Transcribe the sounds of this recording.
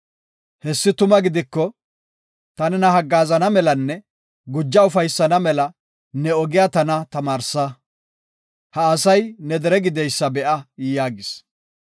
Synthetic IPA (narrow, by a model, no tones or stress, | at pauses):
hɛsːɪt̪ʊmɐɡɪd̪ɪkːɔ | t̪ɐnɛnɐɦɐɡːaːzɐnɐmɛlɐnːɛ | ɡʊd͡ʒːɐʊfɐjsːɐnɐmɛlɐ | nɛɔɡɪjat̪ɐnɐt̪ɐmaːɾsɐ | hɐːsɐjnɛd̪ɛɾɛɡɪd̪ɛjsːɐbɛʔɐjjaːɡɪs